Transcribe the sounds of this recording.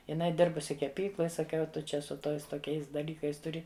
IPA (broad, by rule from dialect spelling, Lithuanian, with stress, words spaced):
jɪˈnɐɪ ˈdʲɪrbʊsʲɪ kʲɛˈpʲiːklˠoːj sɐˈkʲɛʊ ˈtʊ t͡ʃʲɛ sʊ ˈtoːɪs toːˈkʲɛɪs dɐˈlʲiːkɐɪs tʊˈrʲɪ